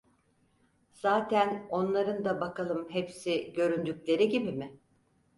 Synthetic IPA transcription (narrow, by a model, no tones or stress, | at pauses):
z̥aːt̪ʰæno̞nlˠaɾɯnd̪abakʰalˠɯmɦepsiɟø̞ɾynd̪yclʲe̞ɾiɟibimɪ